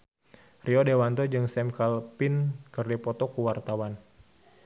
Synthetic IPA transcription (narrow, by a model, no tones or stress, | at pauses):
riɔdewant̪ɔd͡ʒɨŋsɛmkalpinkɨrdipɔt̪ɔkuwart̪awan